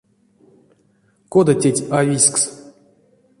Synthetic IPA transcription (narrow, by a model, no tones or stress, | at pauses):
kod̪atʲetʲavʲisʲks